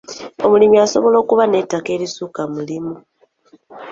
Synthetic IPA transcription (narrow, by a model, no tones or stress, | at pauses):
o̞mulimiaso̞βo̞lo̞ːkuβane̞tːake̞ːlisukamulimu